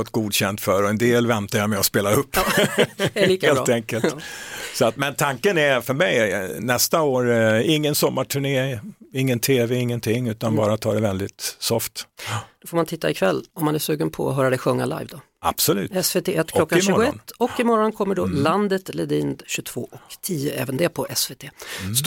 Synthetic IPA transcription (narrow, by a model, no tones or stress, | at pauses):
fɔt̪ɡuːd̪ɕɛnt̪fœɾɔɛnd̪eːlvɛnt̪ajamɛɔspeːlaɵpː | liːkaeːlːt̪ɛŋkəlsɔat̪mɛnt̪ʰaŋkənæfœɾmɛjnɛst̪aoːɾɪŋːənsɔmːaʈʰʉɳeːɪŋːənt̪ʰeːvɛɪŋːənt̪ʰɪŋːʉ̟ːt̪anbɑːɾat̪ʰɑːd̪ɛvɛld̪ɪt̪sɔft̪d̥̪ɔfoːmant̪ʰɪt̪ːaɪkʰvɛlːɔmːanæʂsʉ̟ːɡənpʰɔ̰ɔ̰ɦœːɾad̪ɛɧɵŋːala̰jvd̪ɔ | a̰b̥sɔlʉ̟̰ːɛsvet̪ʰeːʔɛt̪klɔkːaʃʉːɾɡʊɛnt̪ːɔkːɪmɔɾɔnkʰɔmːəɖɔland̪ət̪lɛd̪iːnd̪ɕɵt̪ʰv̥oːʔɔkt̪ʰiːəɛ̰ːvənd̪ɛpʰɔʔɛsveːt̪ʰeːs